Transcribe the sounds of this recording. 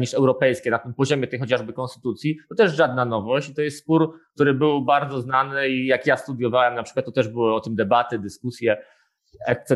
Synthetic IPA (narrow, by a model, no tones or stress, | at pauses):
ɲiʂɛwɾɔpɛjskʲɛnat̪ɘmpɔʑɔmʲɛt̪ɛjxɔt͡ɕaʐbɘkɔ̃nst̪ɘ̥t̪ut̪sʲjit̪ɔt̪ɛʂʐad̪nanɔvɔɕt͡ɕit̪ɔjɛst̪spuɾkt̪uɾɘbɘwbaɾd̪zɔznanɘijakjast̪ud̪jɔvawɛmnapʂɘ̥kwat̪ːɔt̪ɛʐbɘwɘɔt̪ɘmd̪ɛbat̪ɘd̪ɘskusʲjɛ | ɛk̚t̪ɛ